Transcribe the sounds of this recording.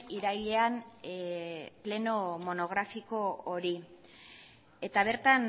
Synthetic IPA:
iɾajʎe̞an | ple̞no̞mo̞no̞ɣ̞ɾafiko̞oɾi | e̞t̪aβ̞e̞ɾt̪an

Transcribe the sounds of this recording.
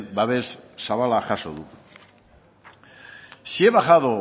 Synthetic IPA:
baβesːaβalaxasoðu | sie̞βaɣaðo

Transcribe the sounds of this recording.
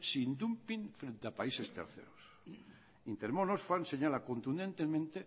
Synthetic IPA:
sind̪umpiŋfɾe̞nt̪eapaisest̪e̞̰ɾθḛɾos | int̪eɾmonosfanse̞ɲalakont̪und̪e̞nt̪emẽnt̪e

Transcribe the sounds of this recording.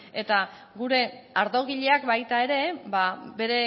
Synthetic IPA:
e̞t̪a | ɣuɾe̞aɾðo̞ɣiʎe̞akbajt̪ae̞ɾe̞babe̞ɾe̞

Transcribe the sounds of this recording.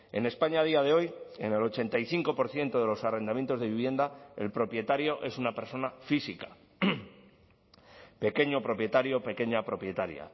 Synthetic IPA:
e̞̰ne̞spaɲað̞iað̞e̞o̞je̞̰ne̞lo̞t͡ʃe̞nt̪aiθiŋko̞po̞ɾθje̞nt̪o̞ðe̞lo̞sare̞nd̪amjent̪o̞zðe̞βiβje̞nd̪ae̞̰lpɾo̞pje̞t̪aɾjo̞ʔe̞sunape̞ɾso̞nafisikḁ | pe̞ke̞ɲo̞pɾo̞pje̞t̪aɾjope̞ke̞ɲapɾo̞pje̞t̪aɾja̰

